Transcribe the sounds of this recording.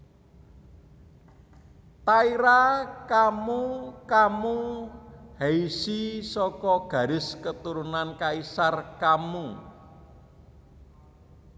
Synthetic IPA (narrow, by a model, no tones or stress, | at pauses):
t̪aiɾakamukamu | heisisɔkɔɡ̥ä̤ɾɪskət̪uɾunankaisarkamu